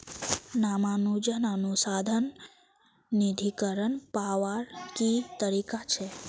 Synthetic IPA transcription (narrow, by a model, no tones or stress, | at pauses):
namãnũd͡ʒənanũsad̪ʱən | nid̪ʱikəɾəɳpaʋaɾkit̪əɾikat͡ʃʰe